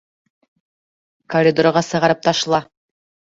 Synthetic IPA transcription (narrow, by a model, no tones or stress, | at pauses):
korʲɪd̪oɾəʁɑsɤ̆ʁɑɾɤp̚t̪ʰɑʃlˠɑ